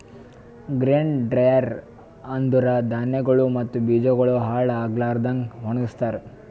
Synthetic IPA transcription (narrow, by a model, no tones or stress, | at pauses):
ɡɾeːɳɖɖɾɐjɐɾ | ɐnd̪uɾɐd̪ʱaːnjɐɡɐɭumɐt̪ːubid͡ʒɐɡɐɭuɦaːɭaːɡlaːɾd̪ɐŋɡɦonist̪aɾ